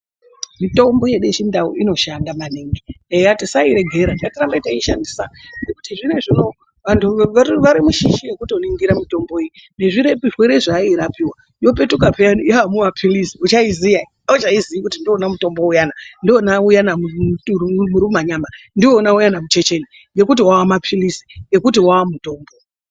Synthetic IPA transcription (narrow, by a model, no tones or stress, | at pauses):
mito̞mbo̞jeɗet͡ʃindauino̞ʃandamaneŋɡiejatisaiɾe̞ɡʱe̞ɾandikatirambaitaiʃandisanekutiʐine̞ʐino̞ | ʋantʰuaʋaɾimuʃiʃijekuto̞niŋɡiɾamito̞mbo̞eine̞ʐiɾe̞piʐweɾe̞ʐaiɾapiwa | jo̞pe̞tukapʰejanijawamumapʰilisiut͡ʃaizijai | aut͡ʃaiziʋikutindionamuto̞mbo̞ujanandionaujanauumuɾumaɲamandionaujanamut͡ʃe̞t͡ʃe̞ni | ŋɡe̞kutiwawamapʰilisi̥jɡe̞kutiwawamuto̞ːmbo̞